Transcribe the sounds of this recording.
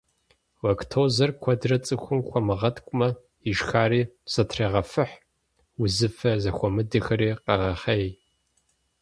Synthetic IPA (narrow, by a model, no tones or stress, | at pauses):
wɐkʰtʰoːzɐrkʷʰɐdrɐt͡sʼɨxʷʊmxʷɔmɨʁɐtkʷʼʊmɐ | iʒxaːriːsɐtʰreːʁɐfɨħ | ʊzɨfɐzɐxʷɔmɨdɨxɐɾiːqɐʁɐχɐj